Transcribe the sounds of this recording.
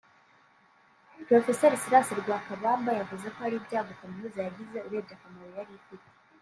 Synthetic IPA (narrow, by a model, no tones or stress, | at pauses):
pɾofesɛɾisiɾasiɾiɡwakaβaːmbajavuzekoaɾibɟaːɡokamiuzajaɡizeuɾebjakamaɾojaɾikiti̥